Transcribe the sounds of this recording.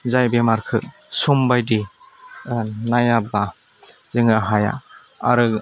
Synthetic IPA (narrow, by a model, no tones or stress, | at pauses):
zajbemaɾkʰɯ | sumbajdi | najaba | zɯŋaɦaja̰ | a̰ɾɯ